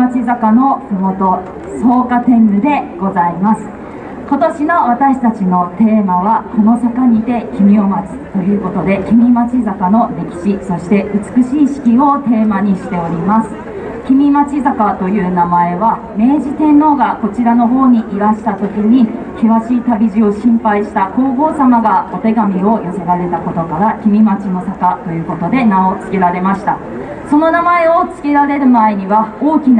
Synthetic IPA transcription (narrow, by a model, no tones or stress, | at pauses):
at͡ɕizakano̞somo̞t̪o̞ | so̞ːkat̪ẽ̞nːɯ̟d̪e̞ɡ̥o̞zaimasɨ̥ | ko̞t̪o̞ɕino̞β̞at̪aɕi̥t̪at͡ɕino̞t̪e̞ːmaβ̞ako̞no̞sakaɲ̟id̪e̞kʲimʲio̞mat͡sɨ̥t̪o̞jɯ̟ːko̞t̪o̞d̪e̞kʲimʲimat͡ɕizakano̞ɾe̞kʲi̥ɕiso̞ɕi̥t̪e̞ʔɯ̟t͡sɨ̥kɯ̟ɕiːɕi̥kʲio̞t̪e̞ːmaɲ̟iɕi̥t̪e̞o̞ɾʲimasɨ̥ | kʲimʲimat͡ɕizakat̪o̞jɯ̟ːnamae̞βa | me̞ːʑit̪ẽ̞nːo̞ːɡako̞t͡ɕiɾano̞ɦo̞ːɲ̟iʔiɾaɕi̥t̪at̪o̞kʲiɲ̟i | kʲiβaɕiːt̪abʲiʑio̞ɕĩmpaiɕi̥t̪ako̞ːɡo̞ːsamaɡao̞t̪e̞ɡamʲio̞jose̞ɾaɾe̞t̪ako̞t̪o̞kaɾakʲimʲimat͡ɕino̞sakat̪o̞jɯ̟ːko̞t̪o̞d̪e̞nao̞t͡sɨ̥kʲeɾaɾe̞maɕi̥t̪a | so̞no̞namae̞o̞t͡sɨ̥kʲeɾaɾe̞ɾɯ̟mae̞ɲ̟iβao̞ːkʲin